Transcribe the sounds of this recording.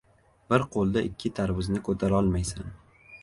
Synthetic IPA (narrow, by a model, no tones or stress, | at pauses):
bɪɾqʰolˠd̪aʔɪkʲʰːɪt̪ʰaɾvɪznɪkʰɵt̪ʰaɾɒlˠmajsan